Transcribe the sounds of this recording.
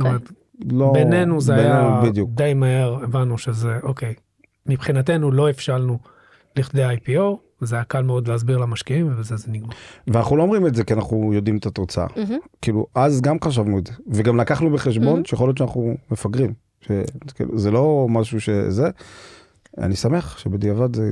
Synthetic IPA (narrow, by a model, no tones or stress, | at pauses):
st̪omet̪ | lobene̞nuzeaejnaenubid̪jukd̪ejmahe̞ʁevanːuʃe̞ze̞ʔo̞kej | mipχinate̞nulo̞efʃalnu | liχd̪eajpio̞ | zeajakalmeo̞d̪leazbiʁlamaʃkiimvebezezeniɡmaʁveana̰χnulo̞omʁimetze̞kianaχujo̞d̪imet̪at̪o̞t͡saa̰kiːluʔazɡamχaʃ̬avnuezeveɡamlakaχnubeχeʃ̬bo̞nʃejaχoljott͡ʃeanaχnumefaɡʁim | ʃekḭlṵzelo̞maʃuʃḛze | a̰nisame̞χʃebed̪iavad̪ze